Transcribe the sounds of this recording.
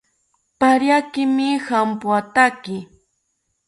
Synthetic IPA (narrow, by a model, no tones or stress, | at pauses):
paɾjakɪmɪhampwat̪akɪ